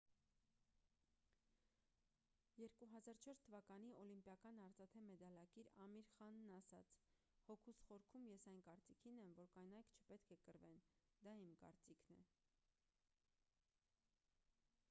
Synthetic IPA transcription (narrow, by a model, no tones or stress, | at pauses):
jɛɾkuɦɑzɑɾt͡ʃʰɔɾst̪ʰəvɑkɑniɔlimpjɑkɑnɑɾt͡sɑt̪ʰɛmɛd̪ɑlɑkiɾɑmiɾχɑnːɑsɑt͡sʰ | hɔkʰusχɔɾkʰumjɛsɑjnkɑɾt͡sikʰinɛmvɔɾkɑjnɑjkʰt͡ʃʰə̥pɛt̪kʰɛkəɾvɛn | d̪ɑimkɑ̰ɾt͡sikʰnɛ